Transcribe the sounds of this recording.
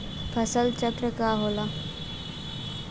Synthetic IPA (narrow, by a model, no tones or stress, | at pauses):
fʰəsəlt͡ɕət̪ɾəkaɦola